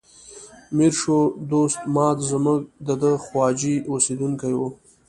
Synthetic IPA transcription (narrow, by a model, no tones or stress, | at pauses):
miɾʃod̪ost̪mɑːt̪zəmuɡ̚d̪əd̪əxwɑd͡ʒiosed̪uŋkajwu